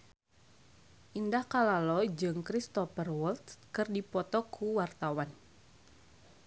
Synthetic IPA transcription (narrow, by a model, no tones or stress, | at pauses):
ʔindahkalalɔd͡ʒɨŋkɾist̪ɔfərwɔlt̪kɨrdipɔt̪ɔkʰuwart̪awan